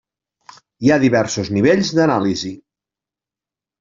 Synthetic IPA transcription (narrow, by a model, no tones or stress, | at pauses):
iaðiβɛɾsuzniβ̞eʎzðənalizi